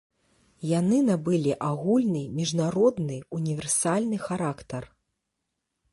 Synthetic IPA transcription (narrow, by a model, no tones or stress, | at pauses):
janɨnabɨlʲiʔaɣulʲnɨmʲiʐnaɾɔd̪nɨunʲivʲɛrsalʲnɨxaɾakt̪ɐr